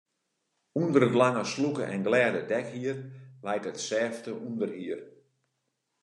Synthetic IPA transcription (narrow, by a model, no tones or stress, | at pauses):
undəɾətlaŋəslukəʔɛnɡlɛːdədɛkhiərʋajtətsɛːftəʔundərhiər